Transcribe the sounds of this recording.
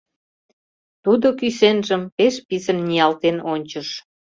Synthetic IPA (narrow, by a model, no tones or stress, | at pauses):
t̪ud̪okysenʒəmpeʃpisə̆nːijɑlt̪enonʲt͡ɕəʃ